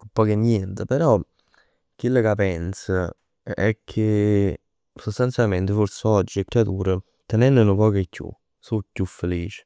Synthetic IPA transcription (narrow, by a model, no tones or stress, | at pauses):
kupːɔːkenːjɛnt̪əpeɾɔ | k̟ːilːəkapɛnsə | ɛ̰kʰːe | sost̪ant̪sjalment̪əforsəɔd͡ʒːikɾat̪uːɾə | t̪enɛnːenʊpɔːkekʰːṵ | sucːufːeliːt͡ʃɪ̥